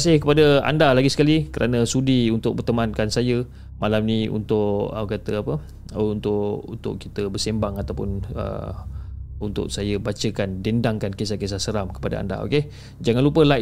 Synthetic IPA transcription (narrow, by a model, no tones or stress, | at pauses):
sɪhkəpadəa̰ndalaɡisə̥kalikəɾanəsudiunt̪ʊk̚bərt̪əmankansajə | malamniṵnt̪ʊʔəkat̪əapə | nt̪ʊʔṵnt̪ʊ̰ʔkit̪əbərsembaŋat̪awpʊnə̰ | unt̪ʊ̰ʔsajəbat͡ʃəkandendaŋkankesakes̬asəɾamkə̥pada̰a̰nda̰o̰ke | d͡ʒaŋanlupəla